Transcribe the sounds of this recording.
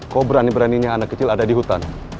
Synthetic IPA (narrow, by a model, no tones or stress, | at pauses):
kobəɾanibəɾaniɲaːnakːət͡ʃɪladadiɦut̪an